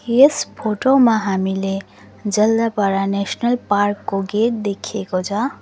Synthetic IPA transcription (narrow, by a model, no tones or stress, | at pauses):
jespʰoʈomaɦamile | d͡zʌld̪apʌɾanesnʌlparkːoɡet̚d̪ekʰekot͡sʰʌ